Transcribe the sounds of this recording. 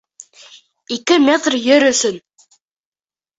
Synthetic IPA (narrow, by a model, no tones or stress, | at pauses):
ikɘmʲet̪rjɵɾɵ̆sɵn